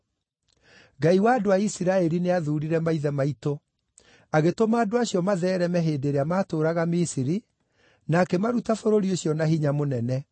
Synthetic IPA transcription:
ɡaiwaːdoaisiɾaɛɾineaðuːɾiɾɛmaiðɛmaito | aɣetomaːdoaɕjɔmaðɛːɾɛmɛɦeːdeɾeamaːtoːɾaɣamisiɾi | nakɛmaɾutafoɾoɾioɕjɔnaɦiɲamonɛnɛ

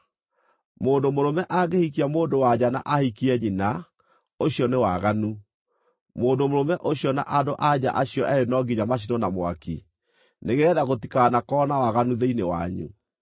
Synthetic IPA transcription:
moːndomoɾomɛʔaɡehikiamoːndowad͡ʑana̰ʔahikiɛɲina | oɕjɔnewaɣanu | moːndomoɾomɛʔoɕjɔna̰ʔadoʔad͡ʑa̰ʔaɕiɔʔɛɾenɔɡiɲamaɕ̬inɔnamwa̰ki | neɣeɣɛðaɣotikaːnakɔːnawaɣanuðeinewa̰ɲṵ

